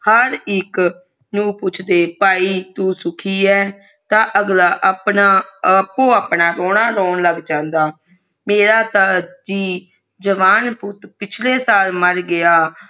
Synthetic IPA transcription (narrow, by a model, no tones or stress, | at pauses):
həɾɪk | nũːpʊt͡ʃʰd̪eːpaːiːt̪uːsʊkʰiːɛː | t̪ãːʔəɡlaːʔəpnaːpːõːaːpɳaːɾoːɽaːɾoːɳləɡd͡ʒãːnd̪aː | meːɾaːt̪aːd͡ʒiː | d͡ʒəʋaːnpʊt̪pɪt͡ʃʰleːsaːlməɾɡɪjaː